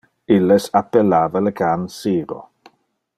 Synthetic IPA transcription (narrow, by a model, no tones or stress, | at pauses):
ilːesapːelːaːvaləkʰansiːɾo̰